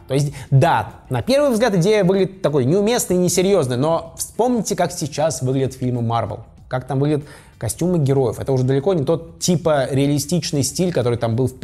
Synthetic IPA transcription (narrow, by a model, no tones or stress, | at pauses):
t̪o̞ɪs̬ʲtʲd̪anɐpʲe̞rvɨjvzɡlʲat̪ɨɪdʲejəvɨɡlʲɪdʲɪt̪ːɐko̞jnʲɪʊmʲe̞snɨjnʲɪsʲɪɾʲjo̞znəjno̞fspo̞mnʲɪtʲɪkaksʲɪt͡ɕasvɨɡlʲɪdʲət̪fʲilʲmɨmarvʲə̰lˠ | kakt̪amvɨɡlʲɪdʲət̪ | kɐsʲtʲumɨɡʲɪɾo̞jɪfɛ̰t̪əʊʐɛd̪əlʲɪkonʲɪt̪o̞t̪tʲipəɾʲɪɐlʲɪsʲtʲit͡ɕnɨjsʲtʲilʲkɐt̪o̞ɾɨjt̪ambɨlˠfpʲ